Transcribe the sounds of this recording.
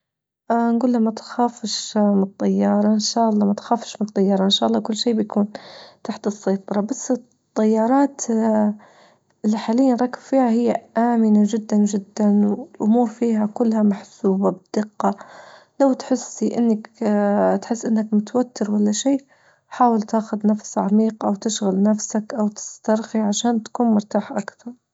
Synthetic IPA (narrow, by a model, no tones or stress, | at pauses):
ʔnɡuːlːamat̪xaːfʃmɪnt̪ˤːɑjːɑːɾˤɑʔɪnʃaːʔɑlˤːɑːmat̪xaːfʃmɪnt̪ˤːɑjːɑːɾˤɑʔɪnʃaːʔɑlˤːɑːkʊlːʃiːbjakuːnt̪aħt̪ɨsːɑjt̪ˤɑɾˤɑbasː | t̪ˤːɑjːɑːɾˤɑːt̪ | ɪlːiħaːlɪjːanɾˤɑkːabfiːhahɪjːaʔaːmɪnaʒɪd̪ːanʒɪd̪ːanwɪlʔʊmuːɾfiːɦakʊlːhamaħsuːbabɪd̪̥ɪqːɑ | lawt̪ħɪsːiʔɪnːak | t̪ħɪsːʔɪnːakmʊt̪awat̪ːɪɾwalːaʃiː | ħaːwɪlt̪aːxʊd̪nafsʕamiːqʔawt̪ɪʃɣalnafsakʔawt̪ɪ̥st̪ɑɾˤxiʕaʃaːnt̪kuːnmʊɾt̪aːħʔakt̪ɑɾˤ